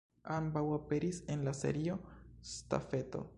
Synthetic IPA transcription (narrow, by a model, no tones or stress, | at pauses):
ambawape̞ɾise̞nlase̞̰ɾio̞sta̰fe̞to̞̰